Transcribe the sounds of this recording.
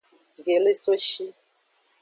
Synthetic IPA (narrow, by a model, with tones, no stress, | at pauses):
ɡe˨le˦so˦ʃi˦